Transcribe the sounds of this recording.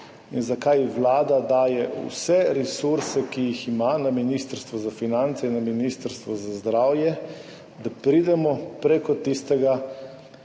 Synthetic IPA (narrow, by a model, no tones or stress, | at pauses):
inzakajʋlaːd̪ad̪aːjɛṵsɛɾɛsuɾsɛkijiximanaminist̪əɾst̪ʋɔzafinant̪sɛinaminist̪ɾst̪ʋɔzazd̪ɾaːwjɛ | d̪apɾid̪ɛmɔpɾɛkɔt̪ist̪ɛɡa